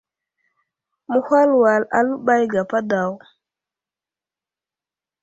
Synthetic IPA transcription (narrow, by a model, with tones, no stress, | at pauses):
mu˦ha˦lwa˨la̰˨lu˦ba˦jɡa˨pa˦da˨w